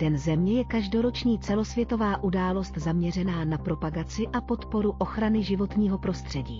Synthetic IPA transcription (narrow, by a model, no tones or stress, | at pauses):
t̪ɛnzɛmɲɛjɛkaʒdo̞ɾo̞t͡ʃɲiːt͡sɛlo̞svjɛt̪o̞vaːʔudaːlo̞st̪zamɲɛr̝ɛnaːnapɾo̞paɡat͡sɪʔapo̞t̪po̞ɾuʔo̞xɾanɪʒɪvo̞t̪ɲiːɦo̞pɾo̞st̪r̥ɛɟiː